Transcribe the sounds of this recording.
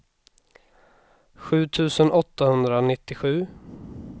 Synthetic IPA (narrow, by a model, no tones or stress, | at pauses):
ɧʉ̟ːt̪ʰʉ̟ːsənʔɔt̪ːahɵnd̪ɾanɪt̪ːɪɧʉ̟ː